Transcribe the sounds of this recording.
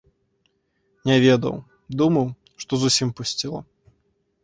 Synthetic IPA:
nʲɛvʲed̪ɐ̰w | d̪umɐw | ʂt̪ɔzusʲimpusʲt͡sʲilˠɐ̰

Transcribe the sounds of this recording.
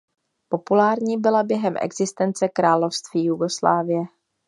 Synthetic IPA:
po̞pulaːɾɲiːbɪlabjɛɦɛmʔɛ̰ɡz̥ɪst̪ɛnt͡sɛkɾaːlo̞fst̪viːjuɡo̞slaːvɪjɛ

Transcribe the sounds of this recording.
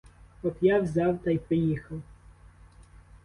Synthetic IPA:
ɔpjawzʲɑwt̪ɑjpɔjixɐw

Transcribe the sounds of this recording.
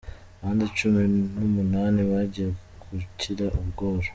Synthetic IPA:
aβaːndit͡ʃuminumunaːniβaɟije | kʰucʰiɾaʔuβɡo̞ːɾo

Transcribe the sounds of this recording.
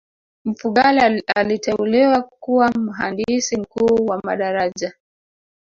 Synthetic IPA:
m̩fuɠalialitɛuliwakuwam̩ɦa̰ndisim̩kuːwamaɗaɾaʄa

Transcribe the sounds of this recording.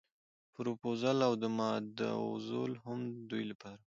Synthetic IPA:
pɾopozalawd̪əmɑd̪ə̰ʊ̰zo̰lhamd̪ujlapɑɾa

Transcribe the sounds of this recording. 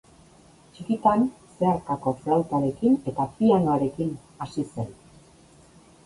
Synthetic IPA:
t͡ʃikit̪anse̞aɾkako̞sealt̪aɾe̞kine̞t̪apianoaɾe̞kin | asise̞̰n

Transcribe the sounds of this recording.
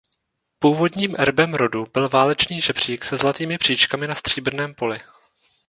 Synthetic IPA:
puːvo̞dɲiːmʔɛɾbɛmɾo̞dubɪlvaːlɛt͡ʃniːʒɛbr̝̥iːksɛzlat̪iːmɪpr̝̥iːt͡ʃkamɪnast̪r̝̥iːbr̩nɛːmpo̞lɪ

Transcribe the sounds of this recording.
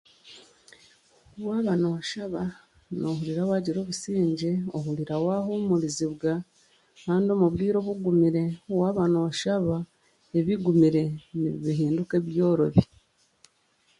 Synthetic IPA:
waːβanowaʃaβa | no̞huliɾawaːɟiɾo̞ːβusiːɲɟeohuliɾawahomuliziβɡa | kaːndio̞muβɾiːɾo̞βuɡumiɾe̞owaːβaːnowaʃaβa | eβiɡumiɾe̞niβiɦiːnduke̞βjo̞ːɾo̞̰βi

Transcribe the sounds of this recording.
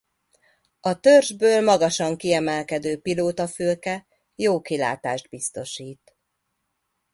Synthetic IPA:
ɒt̪ørʒbøːlmɒɡɒʃɒŋkiɛmɛlkɛd̪øːpiloːt̪ɒføːkɛ | joːkila̰ːt̪a̰ːʒd̪̚bist̪o̞ʃiːt̪

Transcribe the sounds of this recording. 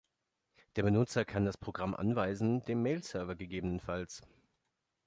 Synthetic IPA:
d̥eːɐbənʊt͡sɐkʰandaspʁ̥oɡʁamʔa̰nvaɪzn̩deːmːeːlsœɐvɐɡəɡeːbənənfals

